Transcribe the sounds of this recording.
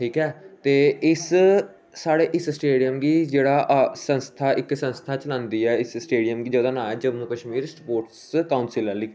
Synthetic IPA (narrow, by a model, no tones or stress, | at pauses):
ʈʰiːkɛːt̪eːɪs | saːɽeːʔɪssʈeːɖijəmɡiːd͡ʒeːɽaːʔsə̃nst̪ʰaːʔɪksə̃nst̪ʰaːt͡ʃəlãːnd̪iːɛːɪssʈeːɖijəmɡiːd͡ʒəːd̪ãːnaːɛd͡ʒəbnũːkəʃmiːɾspoːʈskaːʊnsɪləliː